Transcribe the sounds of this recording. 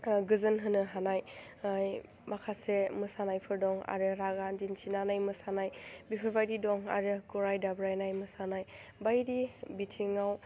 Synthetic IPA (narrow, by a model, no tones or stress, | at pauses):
ɡɯzɯnɦɯnɯɦanajj | makʰasemɯsanajpʰɯɾdɔŋa̰ɾɯɾaɡandinsinanajmɯsanajbipʰɯɾbajdidɔŋa̰ɾɯɡɔɾajdabɾajnajmɯsanajbajɾibitʰiŋaw